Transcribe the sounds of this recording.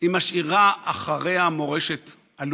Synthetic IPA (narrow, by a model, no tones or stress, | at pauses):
imaʃiʁaʔːχaʁe̞amo̞ʁe̞ʃe̞t̪ | al